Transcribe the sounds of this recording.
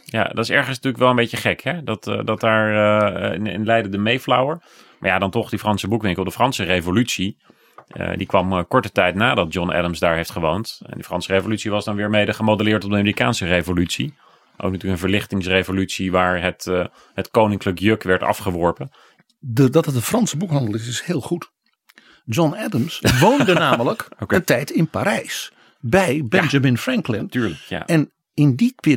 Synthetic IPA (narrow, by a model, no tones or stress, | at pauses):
ja̰dɑ̰tɪsɛɹχənsnətyɹləkʋɛlˠəmbejcəχɛkɦɛdɑtdɑt̚daːɹ | ɪ̰nlɛjdədəmejflɔwəɹ | ma̰ːɹjadɑntɔχdifrɑnsəbukʋɪŋklɔp̚dəfrɑnsərejvolytsi | ə̰dikʋɑmkɔɹtətɛjtnaːdɑd̚d͡ʒɔnɛ̰dəmzdaːɹɦejftχəʋowntɛ̰ndifrɑnsərejvolytsiʋɑzdɑnʋɪːɹmejdəχəmowdəlɪːɹtɔb̚dəamiːrikaːnsərejvolytsi | ʔo̰wkntyːləkənvəɹlɪχtɪŋsrevolytsiʋaːɹɦət | hətkownɪŋkləkjøkʋɛɹtɑ̰fχəʋɔɹpən | dədɑtətəfrɑnsəbukɦɑ̃ndəlˠɪs̬ɪshɪːlˠχut | d͡ʒɔnɛdəmsʋowndənaːmələkəntɛjtɪnpaɾɛjs | bɛjbɛnd͡ʒamɪnfrɛŋklɪntyːɹləkja̰ɛn | ɪndiʋɪ